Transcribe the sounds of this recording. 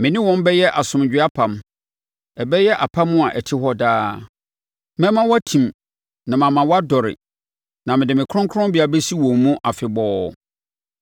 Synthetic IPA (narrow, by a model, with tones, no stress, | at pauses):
mɪ̃˨nɪ̃˦wɔ̃˦m˦bɛ˦jɛ˦ʔa˨sʊ̃˨m˨d͡ʑᶣɪ˦a˦pʰã˨m | ɛ˨bɛ˦jɛ˦ʔa˨pʰã˦mːʊ̃˦a˨ʔɛ˨tʰɪ˦ɦɔ˦daː˦ | mɛ̃˦mã˦wɔ˦tʰĩ˨m | nã˨mã˨mã˨wɔ˦a˦dɔ˨ɾɪ̰˨ | nã˨mɪ̃˨dɪ˨mɪ̃˨kʰɾʊ̃˦ŋkʰɾʊ̃˦bɪ˦a˨bɛ˦si˦wɔ̃˨mːũ˦ʔa˨fɪ˨bɔː˦˨